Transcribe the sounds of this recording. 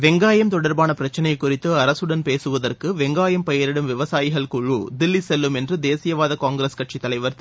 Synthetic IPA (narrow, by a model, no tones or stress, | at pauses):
ʋɛŋɡaːjɐmt̪ɔɽɐɾbaːnɐpɪɾɐt͡ʃːɐnɐjɐkːʊrɪt̪ːɯɐɾɐsɯɽɐnpeːsɯʋɐðɐrkɯʋɛŋɡaːjɐmpɐjɐɾɪɽɯmʋɪʋɐsaːjɪɣɐɭkuɻuːd̪ɪlːisɛlːɯmɛndrɯd̪eːsɪjɐʋaːðɐkaːŋɡɾeskɐʈ̚t͡ʃit̪ːɐlɐɪʋɐɾt̪